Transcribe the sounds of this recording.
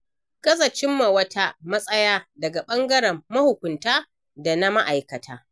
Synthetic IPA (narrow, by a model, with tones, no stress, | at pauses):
ɡ̥ɐ˦zɐ˨t͡ʃɪ˦mːa˨wɐ˦tʰa˦mɐ˦sʼɐ˦jaː˦dɐ˨ɡa˨ɓɐ˦ŋɡɐ˦ɽɛ˨mːɐ˦hʊ˨kʷʊ˨ntaː˦ | da˨na˦ma˦ʔa˨jkɐ˨tʰaː˦